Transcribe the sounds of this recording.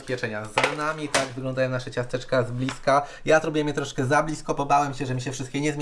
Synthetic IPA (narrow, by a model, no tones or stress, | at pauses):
spʲɛt͡ʂɛɲazanamʲit̪aɡvɘɡlɔnd̪ajɔ̃naʂɛt͡ɕast̪ɛt͡ʂkazblʲiska | jat̪ɾubʲujɛmʲjɛt̪ɾɔʂkɛzablʲiskɔpɔbawɛmɕɛʐɛmʲiɕɛfʂɘst̪kʲɛɲɛzmʲ